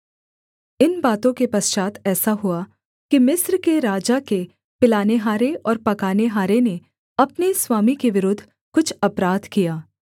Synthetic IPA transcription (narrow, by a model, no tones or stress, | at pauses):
ɪnbaːt̪õkepɐst͡ʃaːt̪ʰɛːsaɦʊa | kimɪsɾkeɾaːd͡ʒake | pɪlaːneɦaːɾeʔɔːɾpɐkaːneɦaːɾene | ɐpneswaːmikeʋɪɾʊd̪ʱː | kʊt͡ʃʰɐpɾaːd̪kijaː